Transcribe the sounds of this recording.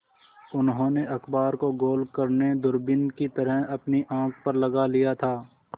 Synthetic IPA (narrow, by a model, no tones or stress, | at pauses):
ʊnɦõːneʔɐxbaːɾkoɡoːlkɐɾned̪ʊɾbɪnkit̪ɐɾəɦɐpniʔãːk̚ʰpɐɾlɐɡalijat̪ʰaː